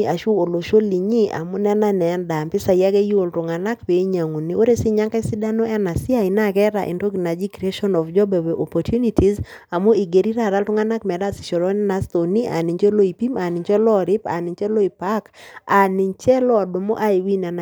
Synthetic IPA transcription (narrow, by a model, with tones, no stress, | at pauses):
a˨ʃu˦o˨lo˨ʃo˦li˨ɲi˦ʔa̰˨mo˦nɛ˦na˦nɛ˨nda˨mpɪ˦sa˨ja˦ɡɛ˦ju˦o˨ltʊ˨ŋa˨na˦kpe˨˦ɲa˨ŋo˨ni˨o˦ɾe˦si˦ɲa˦ŋka˦i˦si˦da˦no˦ɛ˦na˨sɪ˦a˦ɪ˨na˦kɛ˦ɾa˨ʔḭ˨nto˦ɡna˨d͡ʒi˦kɾe˦ʃɔ˦nɔ˨vd͡ʒɔ˦bɛ˨wɛ˨ʔɔ˨pɔ˨tju˦ni˦ti˨z | a˨mo˦i˨ɡe˨ɾi˦ɾa˦˨ɾa˦ltʊ˦ŋa˦na˦kmɛ˨ɾa˦sɪ̥˨ʃo˨ɾɔ˦ni˦na˨˦st̪o˨ni˦ʔa̰˨ni˨ɲt͡ʃe˦lo˦i˨pi˦ma˨ni˨ɲt͡ʃɛ˦lɔ˦˨ɾɪ˦pa̰˨nɪ˨ɲt͡ʃɛ˦lo˦i˨pa˦ka˨ni˨ɲt͡ʃɛ˦lɔ˦˨do˨mo̰˦ʔa˦i˨wi˦nɛ˨na˨